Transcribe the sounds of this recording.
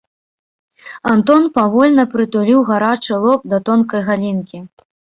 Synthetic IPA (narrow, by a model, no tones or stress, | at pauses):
ant̪ɔnpavɔlʲnɐpɾɨt̪ulʲiwɣaɾat͡ʂɨlˠɔp̚d̪ɐt̪ɔnkɐjɣalʲinkʲi